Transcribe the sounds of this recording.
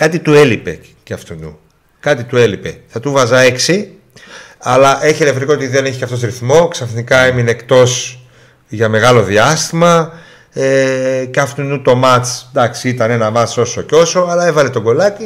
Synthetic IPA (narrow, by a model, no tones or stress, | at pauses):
kɐt̪it̪ue̞lipe̞̰ | cɐft̪unṵ | kɐt̪it̪ue̞lipe̞̰θɐt̪uvɐzɐe̞ksi | ɐlɐʔe̞çieleft̪ɾikoot̪iðeneçiceɐft̪os̬ɾiθmo̞ksɐfnikɐemineːkt̪o̞s | ʝɐme̞ɣɐlo̞ðiɐst̪imɐ | eceɐft̪unut̪o̞mɐt͡snd̪ɐksiit̪ɐne̞nɐmɐt͡so̞so̞ceo̞so̞ɐlɐe̞vɐle̞t̪o̞ɡo̞lɐt̪i